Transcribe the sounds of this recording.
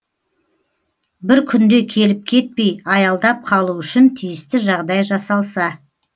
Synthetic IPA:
bɪɾkʲʰʏnd̪e̞kʲʰe̞lɪp̚kʲʰe̞t̪̚pe̞jɑjɑlˠd̪ɑp̚qʰɑlˠuʏʃɪnt̪ʰijɪst̪ɪʒɑʁd̪ɑjʒɑsɑlˠsɑ

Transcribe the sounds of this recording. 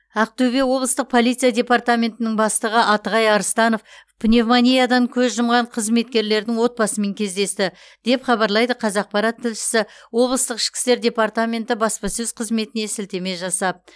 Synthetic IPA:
ɑq̚t̪ʰɵbe̞wo̞blˠəst̪əq̚pʰo̞lˠijt̪sijadʲe̞part̪amʲe̞nt̪ɪnɪŋbɑst̪əʁəʔɑt̪əʁɑjɑɾəst̪ɑno̞fpʰnʲe̞vmanʲijad̪ɑŋkʲʰɵzʒəmʁɑɴqʰəzme̞t̪̚kʲe̞ɾle̞ɾd̪ɪŋwo̞t̪̚bɑsəme̞ŋkʲʰe̞zd̪e̞st̪ɪ | d̪̥e̞pχɑbɑɾlˠɑjd̪əqʰɑzɑq̚pɑɾɑt̪ʰːɪlʃɪ̥sɪwo̞blˠəst̪əqɪ̥ʃkʲɪ̥st̪e̞ɾd̪ʲe̞part̪amʲe̞nt̪ɪbɑspɑsɵzqʰəzme̞t̪ɪne̞sɪlt̪e̞me̞ʒɑsɑp̚

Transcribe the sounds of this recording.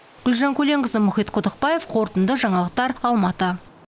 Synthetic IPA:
ɡ̥ʲʊlʒɑŋkʲʰɵle̞ŋɡəzəmʊχijt̪qʰod̪əqpɑje̞fqʰo̞ɾt̪ənd̪əʒɑɴɑlˠəq̚t̪ɑɾɑlˠmɑt̪ə

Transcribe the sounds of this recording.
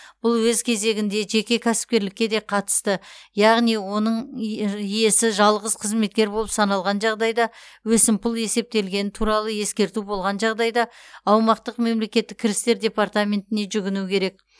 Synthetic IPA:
b̥ʊlˠwɵzkʲʰe̞ze̞ɡʲɪnd̪e̞ʒe̞kʲe̞kʲʰæsɪ̥p̚kʲe̞ɾlɪkʲːe̞d̪e̞qʰɑt̪ə̥st̪əjɑʁnijwo̞nəɴ | ije̞sɪʒɑlˠʁəz̥qʰəzme̞t̪̚kʲe̞ɾbo̞lˠəpsɑnɑlˠʁɑnʒɑʁd̪ɑjd̪ɑwɵsɪmpʰʊlˠe̞se̞p̚t̪e̞lɡʲe̞nɪt̪ʰuɾɑlˠəje̞skʲe̞ɾt̪ubo̞lˠʁɑnʒɑʁd̪ɑjd̪ɑːwmɑqt̪əqme̞mle̞kʲe̞t̪ːɪkʲʰːɪɾɪst̪e̞ɾd̪ʲe̞part̪amʲe̞nt̪ɪne̞ʒʏɡʲɪnukʲʰe̞ɾe̞k̚

